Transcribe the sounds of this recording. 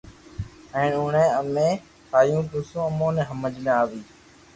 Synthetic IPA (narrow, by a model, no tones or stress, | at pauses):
ɛ̃ːnʊːɳẽːəmẽː | tʰaːjũːkʊsõːəmõːnẽːɦəməd͡ʒnẽaːʋiː